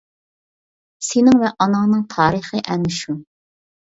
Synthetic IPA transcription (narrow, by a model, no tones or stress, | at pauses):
senɪŋvɛʔɑnɑŋnɨŋt̪ʰɑːɾəχɨʔɛnːɪʃu